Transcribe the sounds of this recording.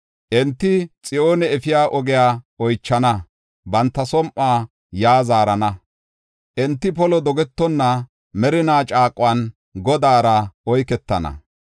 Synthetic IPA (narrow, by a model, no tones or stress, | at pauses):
ʔɛnt̪ːɪt͡sʼɪʔoːnɛɛfɪjaːʔɔɡɪjaːɔjt͡ʃːɐnɐ | bɐnt̪ːɐsɔmʔːaː | jaːzaːɾɐnɐ | ʔɛnt̪ːɪpɔlɔd̪ɔɡɛt̪ːɔnːɐ | mɛɾɪnaːt͡ʃʼaːkʼːwan | ɡɔd̪aːɾɐɔjkɛt̪ːɐ̰nɐ̰